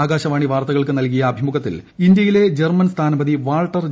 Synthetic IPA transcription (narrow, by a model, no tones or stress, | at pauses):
aːɡaːɕɐʋaːɳiʋaːrt̪ɐɣɐɭkɨnɐlk̬ijɐːbʱimuɣɐt̪ːḭl | ind̪jɐjile̞d͡ʑermɐnst̪ʰaːnɐbɐðiʋaːɭʈːɐr